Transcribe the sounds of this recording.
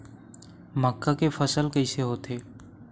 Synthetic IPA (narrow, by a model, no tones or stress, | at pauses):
məkːakefəsəlkəɪseɦoːt̪eː